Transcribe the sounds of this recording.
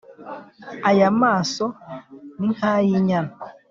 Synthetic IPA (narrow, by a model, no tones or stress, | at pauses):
ajamaːsoniŋ̥aːjiɲana